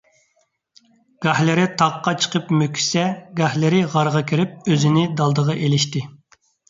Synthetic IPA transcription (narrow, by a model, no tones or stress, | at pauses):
ɡ̥ɑhlɪɾɪt̪ʰɑqːɑt͡ʃʰə̥qʰəpmøkʲʰy̥sɛɡɑhlɪɾɪʁɑɾʁɑkʲʰiɾɪp̚øzɪnɪd̪ɑlˠd̪əʁɑʔelɪʃt̪ɪ